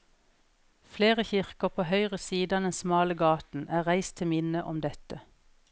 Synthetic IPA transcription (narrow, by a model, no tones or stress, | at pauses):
fleːʁəçɪʁkəʁpʰoːhœʏʁəsiːd̪ɑd̪ɛnsmɑːləɡɑːt̪n̩ʔæːʁæɪst̪ʰɪmɪnəʔɔmd̪ɛt̪ə